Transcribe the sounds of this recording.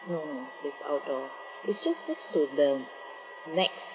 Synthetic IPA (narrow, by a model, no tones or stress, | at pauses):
nonodɪsa̰ʊt̚dɔ | ɪtsd͡ʒaslɛtstodə̃ | nɛks